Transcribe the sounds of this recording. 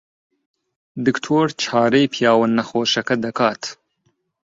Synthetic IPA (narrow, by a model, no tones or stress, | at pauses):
d̪ɪkt̪ʰoːɾt͡ʃʰɑːɾejpʰjɑːwɐnːɐxoːʃɐkɐd̪ɐkɑːt̪ʰ